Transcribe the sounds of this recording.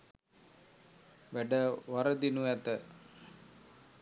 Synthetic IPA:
ʋæɖəʋaɾəd̪inuæt̪ə

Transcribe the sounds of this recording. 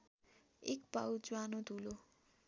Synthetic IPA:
ekpawd͡zwanod̪ʱulo

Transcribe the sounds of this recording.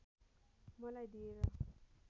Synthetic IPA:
mʌlajd̪ieɾʌ

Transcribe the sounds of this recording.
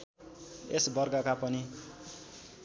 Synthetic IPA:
esbʌrɡʌkapʌni

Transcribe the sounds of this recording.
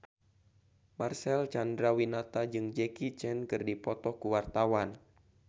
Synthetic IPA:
marsɛlt͡ʃandɾawinat̪ad͡ʒɨŋd͡ʒɛkit͡ʃɛnkɨrdipɔt̪ɔkuwart̪awan

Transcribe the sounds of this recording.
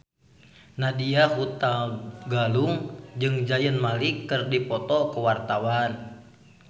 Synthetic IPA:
nadiahut̪aɡaluŋd͡ʒɨŋd͡ʒajənmalikːɨrdipɔt̪ɔkəwart̪awan

